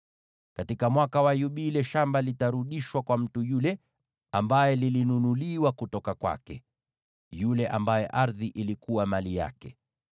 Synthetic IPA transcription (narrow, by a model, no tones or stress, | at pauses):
katikamwakawajuɓilɛʃambalitaɾuɗiʃwakwam̩tujulɛ | ambajɛlilinunuliwakutɔkakwa̰kɛ | julɛʔambajɛʔaɾðiʔilikuwamalija̰kɛ